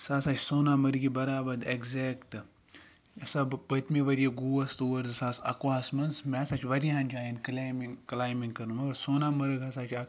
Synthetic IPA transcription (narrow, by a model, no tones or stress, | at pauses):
saːsaːt͡ʃʰsoːnaːmɐɾɨɡibɐɾaːbɐd̪ekzeːkʈɨ | sɐbpɐt̪miʋɐɾijeɡuːɐst̪uɐɾzɨsaːsɐ̰kwaːsmɐnsmeːsat͡ʃʰʋɐɾiɦɐnd͡ʒaːjinklamiŋklaːjmiŋɡkɐɾnumɐɐɾsoːnaːmɐɾɨɡɐsaːt͡ʃʰɐk